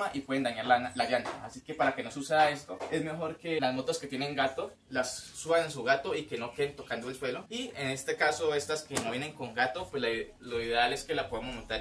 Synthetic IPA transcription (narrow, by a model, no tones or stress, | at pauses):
aʔipweðend̪aɲaɾlanalaβjant̪a̰ːsike̞paɾake̞nosuseae̞st̪oe̞zme̞xo̞ɾke̞lazmo̞t̪oske̞t̪je̞ne̞ŋɡat̪o̞ | lasːuβanensuɣat̪o̞ike̞no̞keðent̪o̞kand̪oelswe̞loiene̞st̪e̞kaso̞e̞st̪aske̞noβjeneŋko̞ŋɡat̪o̞pwesla | lo̞iðe̞ale̞ske̞lapwoðamozmat̪aɾ